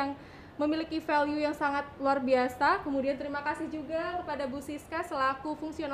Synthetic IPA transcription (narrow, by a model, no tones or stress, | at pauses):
aŋ | məmilikifɛljujaŋsaŋat̪̚luarbiasakəmudiant̪əɾimakasɪhd͡ʒuɡakəpadabusiskasəlakufuŋsion